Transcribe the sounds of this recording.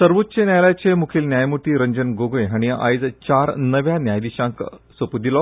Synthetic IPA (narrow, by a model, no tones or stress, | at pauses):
səɾʋot̪ːt͡ɕenjajlat͡ɕemukʰiːlnjajmuʈ̪iːɾəɲd͡ʑənɡoɡojɦaɽ̃ia̰jd͡zt͡ɕaɾnəʋjanjajd̪iɕãŋksəpud̪ilɔ